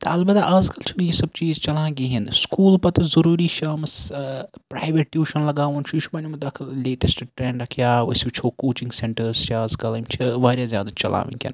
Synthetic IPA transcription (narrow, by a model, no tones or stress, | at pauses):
t̪ɐɐlbɐt̪aʔaːzkɐlt͡ʃʰinjisɐb̚t͡ʃiːzt͡ʃɐlãːɡiːɦinskuːlpɐt̪ɐzɐɾuːɾiːʃaːmspɾa̰ːjʋeʈːjuːʃɐnlɐɡaːʋɐnt͡ʃʰuʃʰubɐnʲumɐd̪ɐkʰɐlleːʈesʈʈɾẽːɳɖɾɐkʰjaːɐ̰sʲbit͡ʃʰoːkoːt͡ʃĩŋɡseɳʈɐɾzt͡ʃʰiaːzkɐlɐmt͡ʃʰiʋaːɾjaːzjaːd̪at͡ʃɐla̰ːʋḭnkʰʲɐ̰n